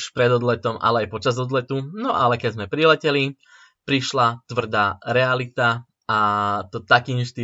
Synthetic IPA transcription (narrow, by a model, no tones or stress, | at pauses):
ʃpɾɛd̪ɔd̪lɛt̪ɔma̰lɛajpɔt͡ʃazɔd̪lɛt̪unɔʔalɛkɛɟzmɛpɾilɛcɛli | pɾiʃlat̪ʋr̩d̪aːɾɛalit̪a | at̪ɔt̪akinʃt̪i